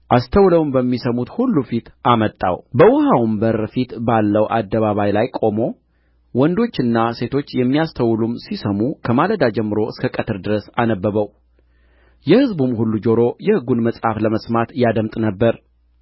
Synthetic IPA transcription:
ʔast̪ʰəwləwmbəmːisəmut̪hulːufit̪ʔamət̪ʼːa̰wbəwɔhawumbəɾfit̪balːəwʔa̰d̪ːəβaβajlajkʼo̞mo̞ | wɔnd̪o̞t͡ʃːɨnːase̞t̪ʰo̞t͡ʃːjɛmːijast̪ʰəwlumsisəmukʰəmaləd̪ad͡ʒɛmːɨɾo̞ɨskʰəkʼət̪ʰɨɾd̪ɨɾəsanəbːəβəw | jɛhɨzbumhulːud͡ʒo̞ɾo̞jɛhɨɡunməsʼhafləməsmat̪jad̪əmt̪ʼnəbːəɾ

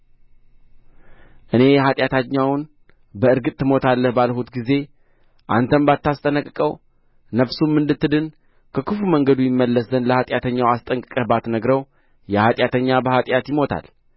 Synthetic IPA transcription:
ʔɨne̞jɛɦat̪ʼjat̪ʰaɲːawn | bəɨɾɡɨt̪ʼt̪ːɨmo̞t̪ʰalːəhbalhut̪ɡize̞ | ʔa̰nt̪ʰəmbat̪ːast̪ʼənəkʼkʼəw | nəβsumːɨnd̪ɨt̪ːɨd̪ɨn | kʰəkɨfuməŋɡəd̪ujɪmːəlːəsənləhat̪ʼjat̪ʰəɲːawast̪ʼəŋkʼɨkʼəhbat̪nəɡɾəw | jɛhat̪ʼjat̪ʰəɲːabəhat̪ʼjat̪jɪmo̞t̪ʰa̰l

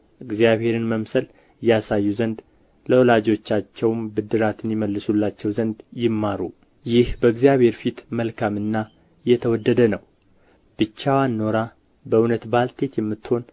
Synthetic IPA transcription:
ʔɨɡzijaβhe̞ɾɨnməmsəl | jasajːuzənd̪ | ləwɔlad͡ʒo̞t͡ʃːat͡ʃːɛwmbɨd̪ːɨɾat̪ʰɨnjɪməlːɨsulːat͡ʃːɛwzənd̪jɪmːaɾu | jɪhbəɨɡzijaβhe̞ɾfit̪məlkʰamɨnːa | jɛt̪ʰəwɔd̪ːəd̪ənəw | b̥ɨt͡ʃːawanːo̞ɾa | bəunət̪balt̪ʰe̞t̪jɛmːɨt̪ːho̞n

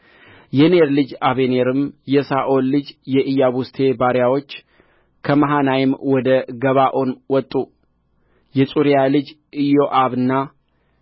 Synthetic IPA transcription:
jɛneɾlɨd͡ʒaβeneɾɨmjɛsaʔolːɨd͡ʒjɛʔɨjaβust̪ʰe̞baɾjawo̞t͡ʃː | kʰəmaɦanajɪmwɔd̪əɡəβaʔo̞nwɔt̪ʼːu | jɛsʼuɾijalɨd͡ʒ | ɨjo̞ʔaβɨnːa

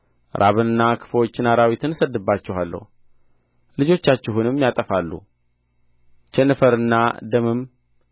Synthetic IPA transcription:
ɾʔa̰βɨnɨnːakʰɨ̥fwo̞t͡ʃːɪnaɾawit̪ʰɨnsəd̪ːɨbːat͡ʃːɛhalːə̰h | lɨd͡ʒo̞t͡ʃːat͡ʃːɪɦunɨmjat̪ʼəfalːṵ | t͡ʃɛnːɨfəɾɨnːad̪əmɨm

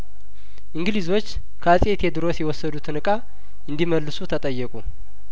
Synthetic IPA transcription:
ʔɨŋɡɨlizo̞t͡ʃː | kʰəasʼet̪ʰjɛd̪ɨɾo̞sjɛwɔsːəd̪ut̪ʰɨnɨkʼa | ɨnd̪iməlːɨsut̪ʰət̪ʼəjːəkʼu

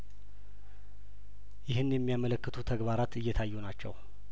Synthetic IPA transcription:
jɪɦɨnjɛmːijamələkːɨt̪ʰut̪ʰəɡbaɾat̪ɨjːɛt̪ʰajːunat͡ʃːɛ̰w

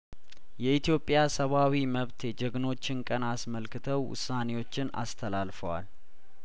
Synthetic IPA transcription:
jɛit̪ʰijo̞pʼːjasəβawiməβt̪jɛd͡ʒəɡno̞t͡ʃːɪnkʼənasməlkɨt̪ʰəwːʊ̰sːane̞wo̞t͡ʃːɪna̰st̪ʰəlalfəwa̰l

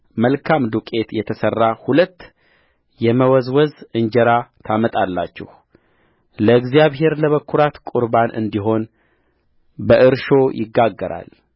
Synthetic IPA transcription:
məlkʰamd̪ukʼe̞t̪jɛt̪ʰəsərːahulət̪ː | jɛməwɔzwɔzɨɲd͡ʒɛɾat̪ʰamət̪ʼalːa̰t͡ʃːɛ̰h | ləɨɡzijaβɦe̞ɾləβəkʰːuɾat̪kʼuɾbanʔɨ̰nd̪iɦo̞n | bəʔɨɾʃo̞jʔɪɡːaɡːəɾa̰l

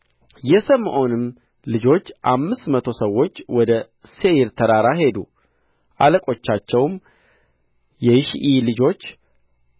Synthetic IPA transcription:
jɛsəmːʔo̞nɨmː | lɨd͡ʒo̞t͡ʃːʔamːɨst̪mət̪ʰo̞səwːo̞t͡ʃːwɔd̪ə | se̞jɪɾt̪ʰəɾaɾaɦe̞d̪ṵ | ʔaləkʼo̞t͡ʃːat͡ʃːɛwm | jɛjɪʃʔilɨd͡ʒo̞t͡ʃː

